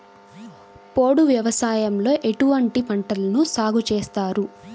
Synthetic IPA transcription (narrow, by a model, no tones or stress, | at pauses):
poːɽuʋjɐʋɐsaːjɐmlo̞ːʔe̞ʈuʋɐɳʈipɐɳʈɐlɐnusaːɡut͡ʃeːst̪aːɾu